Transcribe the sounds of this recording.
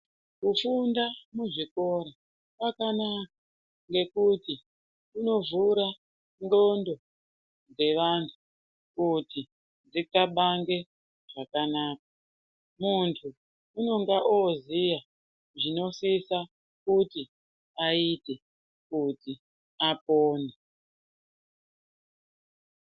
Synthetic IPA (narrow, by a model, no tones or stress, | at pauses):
kufundamuʐiko̞ɾa | pakanak̚a | ŋɡe̞kuti | uno̞vuɾa | ŋɡo̞ndo̞ | d͡ze̞ʋantʰu | kuti | d͡zikaɓaŋɡe̞ | ʐakanaːk̚ḁ | muntʰuː | no̞ŋɡaʔoziʋa | ʐino̞sisa | kuti | aite | kuti | apoːne